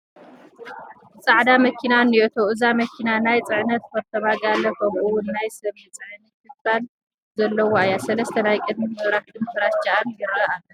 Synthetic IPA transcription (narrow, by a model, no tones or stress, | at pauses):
t͡sʼaʕd̪amɐkʰinaniʔot̪ʰoɨzamɐkʰinanajt͡sʼɨʕɨnɐt̪fɐɾt̪ʰɐβaɡalːɐxomɨwʊnːajsɐβjɨt͡sʼɨʕnɨkʰɨbal | zɐlːɐwoajasɐlɐst̪ʰɐnajkʼɨd̪mizɨɾahd̪ɨmfʰɨɾat͡ʃaʔanjɨɾɐalːɐ